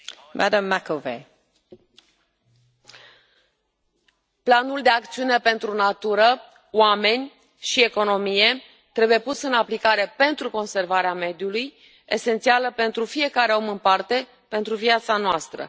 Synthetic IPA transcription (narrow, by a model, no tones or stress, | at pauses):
mʔadəmːakove | planuld̪e̞ak̚t̪siune̞pe̞nt̪ɾunat̪uɾə | wame̞nʲ | ʃie̞ko̞no̞mije̞ | t̪ɾe̞buje̞pusɨnaplikaɾe̞pe̞nt̪ɾuko̞nse̞rvaɾeame̞d̪juluj | e̞se̞nt̪sialəpe̞nt̪ɾufije̞kaɾe̞o̞mɨnpart̪e̞ | pe̞nt̪ɾuviat̪sanoast̪ɾə̰